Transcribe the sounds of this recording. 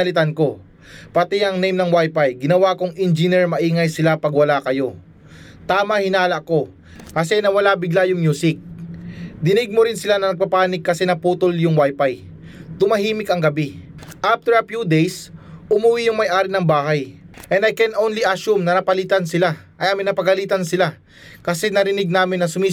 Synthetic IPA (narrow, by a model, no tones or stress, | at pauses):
ɐlɪt̪anko̞ | pɐt̪iɐŋnejmnɐŋwajpajɡɪnɐwakʊŋʔɪnd͡ʒɪnɛɹmɐʔiːŋɐjsɪlapɐɡwɐlakɐjo̞ | t̪aːmɐhɪnaːlɐʔko̞ | kɐsɛnɐwɐlabɪɡlajʊŋmjuːsɪk̚ | d̪ɪnɪɡ̚moɾɪnsɪlanɐnɐɡ̚pɐpaːnɪɡ̚kːɐsɛnɐpuːt̪oljʊŋwajpaj | t̪ʊmɐhiːmɪkɐŋɡɐbiʔaft̪ɛɹɐfjud̪ejsʔʊmʊwijʊŋmɐjʔaːɾɪnɐŋbaːɦaj | ʔɛnd̪ɐjkɛnʔonliʔɐʃumnɐnɐpɐliːt̪ɐnsɪlaʔɐjɐmɪnɐpɐɡɐliːt̪ɐnsɪla | kɐsɛnɐɾɪnɪɡ̚naːmɪnːɐsʊmiː